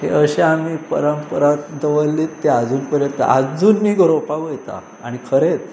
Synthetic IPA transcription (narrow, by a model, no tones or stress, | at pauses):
hḛəɕeamiːpəɾəmpəɾakd̪əʋəlːiːt̪ːead͡zuːnpəɾjə̃t̪a̰ʔad͡zuːnːiːɡəɾopaʋəjt̪a̰ | a̰ɽ̃ikʰəɾet̪